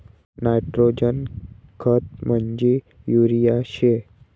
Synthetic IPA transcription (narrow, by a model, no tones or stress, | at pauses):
najʈɾod͡ʒənkʰət̪̚məɲd͡ʑi | juɾijaɕe